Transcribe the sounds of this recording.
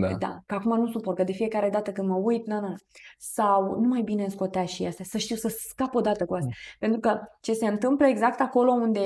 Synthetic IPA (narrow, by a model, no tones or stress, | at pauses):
d̪a̰kəakumanusuporkəd̪e̞fije̞kaɾe̞d̪at̪əkɨnd̪məujt̪nanansawnumajbinensko̞t̪eaʃiast̪asəʃt̪iwsəskapo̞d̪at̪əkuast̪ʲape̞nt̪ɾukət͡ʃe̞se̞ɨnt̪ɨmpləe̞ɡzak̚t̪ako̞lo̞und̪e̞